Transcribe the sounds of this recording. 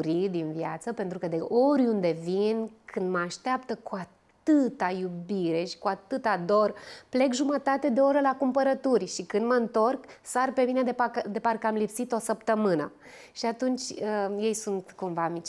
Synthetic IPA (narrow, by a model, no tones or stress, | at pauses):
ɾid̪invjat̪səpe̞nt̪ɾukəd̪eʔoɾʲund̪e̞vinkʰɨnd̪məaʃt̪eapt̪əkuatt̪ɨt̪ajubiɾe̞ʃi̥kuat̪ɨt̪ad̪o̞rple̞kʒumət̪at̪e̞d̪e̞o̞ɾəlakumpəɾət̪urʲʃikɨnd̪məɨnt̪o̞rksarpe̞mined̪epad̪e̞parkəamlipsit̪o̞səpt̪əmɨnə | ʃiat̪unt͡ʃʲəje̞jsunt̪kumvamit͡ʃ